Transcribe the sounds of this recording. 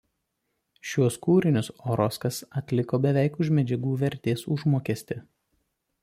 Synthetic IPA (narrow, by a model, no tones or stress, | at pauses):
ʃʲuɔskuːɾʲɪnʲʊsoːɾɔskɐsɐt̪ʲlʲɪkoːbʲɛʋʲɛˑɪkʊʃmʲɛd͡ʒʲɛɡuːʋʲɛɾʲt̪ʲeːsʊʒmoːkʲɛsʲt̪ʲɪ